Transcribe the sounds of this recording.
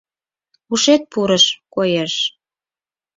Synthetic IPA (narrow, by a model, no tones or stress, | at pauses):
uʃet̪̚puɾəʃkojeʃ